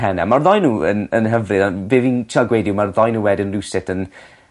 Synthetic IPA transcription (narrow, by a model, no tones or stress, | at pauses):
ɛnɛmarðɔjnuːə̰nənɦəvrɨðanbɪvint͡ʃʰalˠɡwejdɪwmarðɔjnuːwɛdənrɪwsɪtʰən